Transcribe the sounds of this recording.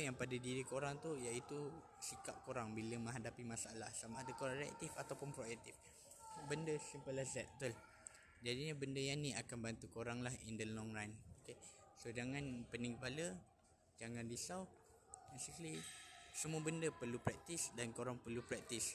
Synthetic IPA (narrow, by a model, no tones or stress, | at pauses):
jaŋpadadiɾikoɾaŋt̪ujaʔit̪u | sikap̚koɾaŋbiləmə̃ŋɦadapimasaalahsamaadakoɾaŋɾɛɛ̰t̪ifat̪awpʊnpɾoɛk̚t̪if | bəndəsimpəlazɛt̪̚t̪ul | d͡ʒadiɲabəndəjaniakanbant̪ukoɾaŋlahindəlɔŋrajnokesod͡ʒaŋanpəniŋɡəpalə | d͡ʒaŋandisaw | besiklisəmuəbəndəpərlupɾɛk̚t̪isdankoɾaŋpərlupɾɛk̚t̪is